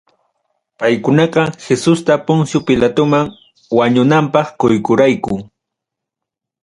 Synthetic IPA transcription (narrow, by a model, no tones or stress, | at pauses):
pajkʊnɑqɑxesʊst̪apʊŋsjopɪlat̪ʊmaŋ | waɲʊnampɑχkojkʊɾajkʊ